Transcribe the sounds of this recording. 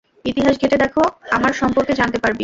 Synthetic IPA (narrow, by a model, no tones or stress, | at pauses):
it̪iɦaʃɡʱeʈed̪ɛkʰoamaɾʃɔmpoɾked͡ʑant̪epaɾbi